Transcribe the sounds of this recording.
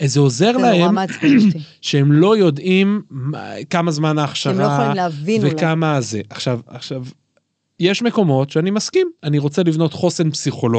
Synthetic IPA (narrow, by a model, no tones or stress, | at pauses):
zeo̞ze̞ʁlae̞m | ʃeemlo̞jo̞dim | kamazmanaːχʃaʁalvivekamaze̞ʔaχʃavaχʃav | jeʃme̞ko̞mo̞tʃeanimaskimaniʁo̞t͡se̞livno̞t̪χo̞senpsiχolo